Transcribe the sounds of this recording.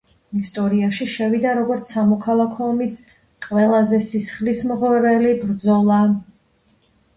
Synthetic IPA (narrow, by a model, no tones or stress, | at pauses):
ist̪ʼɔɾiaʃiʃɛvid̪aɾɔɡɔɾt̪sʰamɔkʰalˠakʰɔːmis | qʼwɛlˠazɛsisχlismʁɛɾɛlibɾd̪zɔlˠa